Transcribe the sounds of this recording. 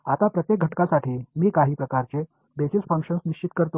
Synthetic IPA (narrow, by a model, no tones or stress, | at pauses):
at̪apɾət̪jek̚ɡʱəʈkasaʈʰiːmiːkaɦiːpɾəkaɾt͡se | besisfə̃ŋkɕənsniɕt͡ɕit̪kəɾt̪o